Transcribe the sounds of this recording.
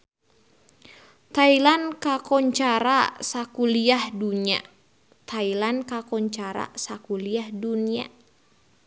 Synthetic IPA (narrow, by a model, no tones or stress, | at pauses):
t̪ailankakɔɲt͡ʃaɾa̰sakuliahduɲia̰ | t̪ʰailankakɔɲt͡ʃaɾa̰sakuliahdunia̰